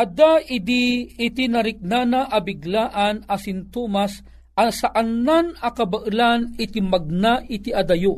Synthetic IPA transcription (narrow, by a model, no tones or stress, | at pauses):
ʔɐd̪aɪd̪iɪt̪inɐɾɪk̚nanɐʔɐbɪɡlaːʔɐnɐsɪnt̪oːmas | ʔɐsɐʔɐnːanɐkɐbɐʔɨlanɪt̪imɐɡ̚naʔɪt̪iʔɐd̪ɐjo